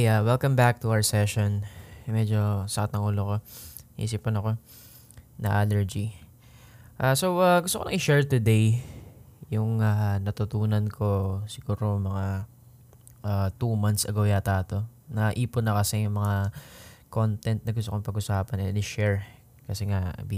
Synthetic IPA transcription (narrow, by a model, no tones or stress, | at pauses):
awɛlkɐ̃mbak̚t̪ʊʔawə˞sɛʃonmɛd͡ʒo̞sɐkat̪nɐŋʔuːloko̞ḭːs̬ipʊnɐko̞ | nɐ̰ʔaːlɛɹd͡ʒi | ʔasowaɡʊst̪okonɐ̰ʔɪʃɛɹt̪ʊd̪ej | jʊŋanɐt̪ʊt̪uːnɐnkʰo̞sɪɡ̥uːɾomɐŋa | ʔat̪umant̪sʔɐɡojat̪aːt̪o̞nɐʔiːpʊnɐkɐsɛjʊŋmɐŋako̞nt̪ɛnt̪̚nɐɡʊst̪okoŋpɐɡʊsaːpɐnɛnɪʃɛɹ | kɐsɛŋa̰b